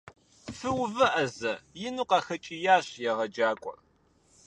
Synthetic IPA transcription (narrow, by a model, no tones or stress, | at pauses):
fɨwvɐʔɐzɐjɪnuqɑxɐt͡ʃʼijaːɕjɛʁɐd͡ʒaːkʷʼʊ̰r